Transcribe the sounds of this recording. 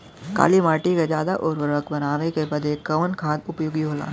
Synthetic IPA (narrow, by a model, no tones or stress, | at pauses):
ka̰ːlimaːʈikad͡ʒaːd̪aʔɔːɾʋəɾəkbɐnaːʋekepɐd̪ekɐʋənkʰaːd̪ʊpjʊɡiɦoːla̰ː